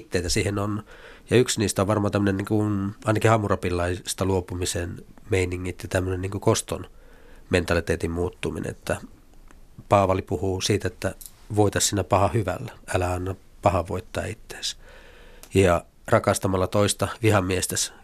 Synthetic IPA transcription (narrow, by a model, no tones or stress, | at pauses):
t̪ːeit̪æsiːhenonjɑyksniːst̪æoʋʋɑrmɑːt̪æmːøneniːŋkunɑˑinɑkihɑmurɑpilːɑist̪ɑluopumisenmeiniŋːit̪jɑt̪æmːønenniŋkukost̪on | ment̪ɑlit̪eːt̪immuːt̪ːumḭnʔḛet̪ːæ | pɑːʋɑlipuhuːsiːt̪æet̪ːæ | ʋoit̪ɑssinːæpɑhɑhyʋæ̰lːæælæɑnːɑpɑhɑʋoit̪ːɑ̰ːit̪ːe̥ːs | jɑ | rɑkɑst̪ɑmɑlːɑt̪oist̪ɑʋihɑmːiest̪æs